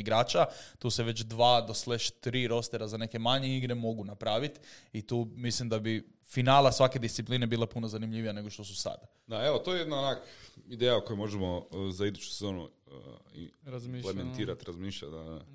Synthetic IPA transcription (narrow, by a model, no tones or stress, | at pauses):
iɡɾaːt͡ʃat̪uːse̞ʋe̞t͡ʃd̪ʋaːd̪o̞sleʃt̪ɾiːɾo̞st̪eɾazane̞ke̞maɲeiɡɾemo̞ɡunapɾaːʋit̪it̪uːmislimd̪abi | finaːlˠasʋake̞d̪ist̪sipline̞biːlepunozanimʎiʋijane̞ɡoʃt̪o̞s̬usa̰d̪a | d̪ae̞ʋot̪ojejed̪naonakid̪eːjaukojumo̞ʒemozaid̪ut͡ʃu̥sezo̞ːnṵ | ḭɾazlement̪iːɾat̪ɾazmiːʃʎad̪a